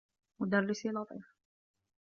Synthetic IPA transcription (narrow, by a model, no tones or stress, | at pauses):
mʊd̪aɾːɪsilɑt̪ˤḭːf